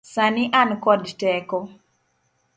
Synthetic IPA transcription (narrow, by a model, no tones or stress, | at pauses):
saniʔankɔdtɛkɔ